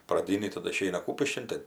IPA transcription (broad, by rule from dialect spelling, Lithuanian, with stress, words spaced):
prɐˈdʲiːnʲiː tɐˈdʊ ɪˈʃʲɛɪnɐ ˈkuːpʲɪʃʲkʲɪn ˈtɜ